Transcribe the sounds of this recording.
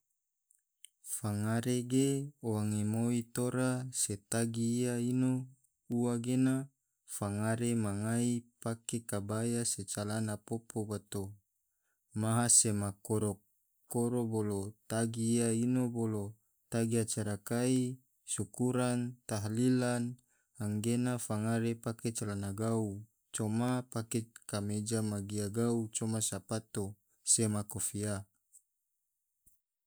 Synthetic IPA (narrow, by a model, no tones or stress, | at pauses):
faŋaɾeɡeowaŋemoit̪oɾaset̪aɡiːaino | uwaɡena | faŋaɾemaŋaipakekabajaset͡ʃalanapopobat̪o | maɦasemakoɾo | koɾobolot̪aɡiːainobolo | t̪aɡiat͡ʃaɾakai | sukuɾant̪aɦlilan | aŋɡenafaŋaɾepaket͡ʃalanaɡau | t͡ʃomapakekamed͡ʒamaɡiaɡaut͡ʃomasapat̪o | semakofia